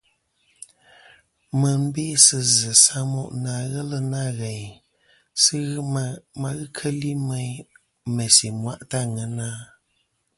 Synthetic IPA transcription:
mə˨m̩˦beː˦sɨ˨zɨ˨sa˦mɔ̰˦ʔnaː˨ɣɛ˦lə˦na˦ɣɛ˨ɲ | sɨ˦ɣma˨ɣɨ˦kʰə˦li˦mɛ˦ɲ | mɛ˨si˨mwa˦˨ʔta˦ŋə˨naː˦

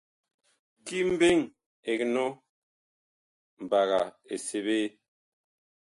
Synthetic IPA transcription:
ki˦m̩˦be˦ŋ | e˨kno˦ | m̩˨ba˨ɣa˨ | e˨se˦βeː˦

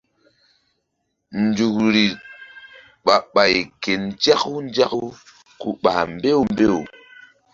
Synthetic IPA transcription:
n̩˨d͡ʒu˨kɾi˨ | ɓa˨ɓa˨jke˨nd͡ʒa˦ku˦n˦d͡ʒa˦ku˦ | kṵ˨ɓa̰˨m˦be˦u˦m˦be˦ṵ˨

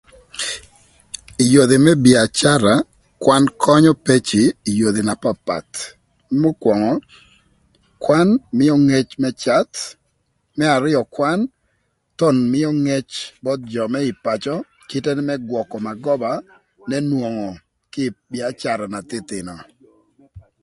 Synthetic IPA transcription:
i˨jo˨d̪i˨mɛ˦bi˨a˨t͡ʃa˦ɾa˨ | kwa˦nkʰɔ˦ɲɔ˦pe˦t͡ʃiː˨jo˨d̪i˨na˨pa˨pa̰˨t̪ | mo˦kwɔ˨ŋɔ˨ | kwa˦nmɪ˦ɔ˦ŋe˦t͡ʃmɛ˦t͡ʃa˦t̪ | mɛ˦a˨ɾɪ˦jɔ˨kwa˦n | tɔ˦nmɪ˦ɔ˦ŋe˦t͡ʃbɔ˦t̪̚d͡ʒɔ˨mɛ˦ɪ˨pa˨t͡ʃɔ˦ | kɪ˦tɛ˦n˦mɛ˦ɡwɔ˨kɔ˨ma˨ɡɔ˦ba˨ | nɛ˦nwo˨ŋɔ˨ | kɪ˦bi˨a˨t͡ʃa˨ɾa˨na˨t̪ɪ˦t̪ɪ˨nɔ˨

